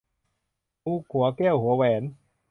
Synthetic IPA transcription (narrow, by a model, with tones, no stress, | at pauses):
uː˦˧˥kʰu˨˩˦ɐkɛː˥˩whu˩˦ɐwɛː˩˦n